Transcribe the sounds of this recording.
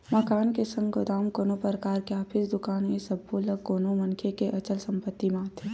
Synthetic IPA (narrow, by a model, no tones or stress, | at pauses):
mɐkaːnkesə̃ŋɡod̪aːmkoːnopəɾəkaːɾkeaːpʰɪsd̪ʊkaːnesɐbːoːləɡkoːnomɐnkʰekeʔɐt͡ʃəlsɐ̃mpət̪ːimãːt̪ʰe